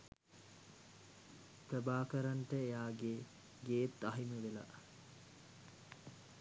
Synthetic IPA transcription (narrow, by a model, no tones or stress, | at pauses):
p̪əbaːkəɾanʈəejaːɡe | ɡeːt̪ːɐɦiməʋela̰